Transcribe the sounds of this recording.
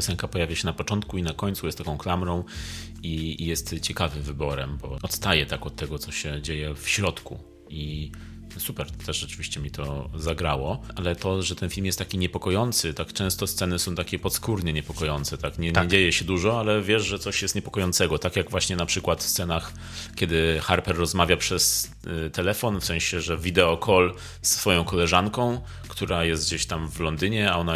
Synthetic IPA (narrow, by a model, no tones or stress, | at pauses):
jɔsɛŋkapɔjavʲjaɕɛnapɔt͡ʂɔnt̪kuinakɔɲtsujɛst̪ːakɔ̃w̃klamɾɔ̃w̃ | ijɛst̪t͡ɕɛkavɘmvɘbɔɾɛmbɔɔt̪st̪ajɛt̪akɔt̪ːɛɡɔt̪sɔɕɛd͡ʑejɛfɕɾɔt̪kṵ | i | supɛɾt̪ɛʂʐɛt͡ʂɘvʲiɕt͡ɕɛmʲit̪ʰɔzaɡɾawɔʔalɛt̪ɔʐɛt̪ɛnfʲilmjɛst̪akʲiɲɛpɔkɔjɔnt̪sɘt̪akt͡ʂɛ̃w̃st̪ɔst̪sɛnɘsɔ̃w̃t̪akʲɛpɔt̪skuɾɲɛɲɛpɔkɔjɔnt̪sɛt̪akɲɛɛd͡ʑejɛɕɛd̪uʐɔalɛvʲjɛʂʐɛt̪sɔɕjɛst̪ɲɛpɔkɔjɔnt̪sɛɡɔt̪akʲjaɡvwaɕɲɛnapʂɘkwat̪fst̪sɛnax | kʲɛd̪ɘxaɾpɛɾːɔzmavʲjapʂɛs | t̪ɛlɛfɔnfsɛ̃ɕɛʐɛvʲid̪ɛɔkʰɔl | sːfɔjɔ̃w̃kɔlɛʐankɔ̃w̃ | kt̪uɾajɛst̪ɡd͡ʑeɕt̪amvlɔnd̪ɘɲɛaɔna